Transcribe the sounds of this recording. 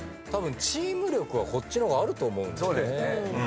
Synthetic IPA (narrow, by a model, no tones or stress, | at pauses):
t̪abɯ̟̃ɲt͡ɕiːmɯ̟ɾʲo̞kɯ̟β̞ako̞tt͡ɕːino̞ɡaːɾɯ̟t̪o̞ːmo̞ɯ̃nsoːd̪esse